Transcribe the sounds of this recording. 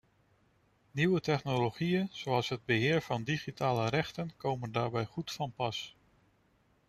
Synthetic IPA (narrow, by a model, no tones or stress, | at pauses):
niwətɛχnoloχijənzoɑlˠsɦəd̚bəɦɪːɹvɑndiχitʰaːləɾɛχtənkowməndaːɹbɛjχutfɑnpɑs